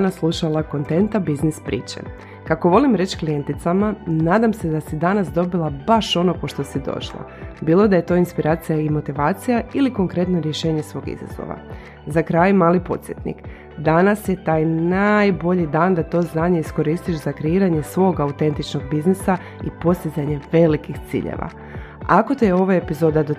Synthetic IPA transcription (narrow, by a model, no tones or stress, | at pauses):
naslˠuʃalˠako̞nt̪e̞nt̪abiznispɾḭːt͡ɕḛ | kako̞ʋo̞limɾe̞t͡ɕklijent̪it̪samanaːd̪amse̞d̪asid̪anasd̪o̞bilˠabaʃo̞no̞po̞ʃt̪o̞sid̪o̞̰ʃlˠo̰biːlˠo̞d̪aje̞t̪o̞ːinspiɾʔaːt̪sijaimo̞t̪iʋaːt̪sijailiko̞ŋkɾe̞t̪no̞ɾje̞ʃe̞ːɲe̞sʋo̞ːɡḭza̰zo̰ʋa̰ | zakɾajmaːlipo̞̰t̪sjet̪nḭk | d̪anasje̞t̪aːjnajbo̞ʎid̪aːnd̪at̪o̞ːznaːɲe̞isko̞ɾiːst̪iʃzakɾeiːɾaɲe̞sʋo̞ɡaut̪e̞nt̪it͡ʃno̞ɡ̚biznisa | ipo̞st̪izaɲe̞ʋe̞likixt̪sḭːʎḛʋa̰ | ako̞t̪eo̞ʋaepizo̞ːd̪ad̪o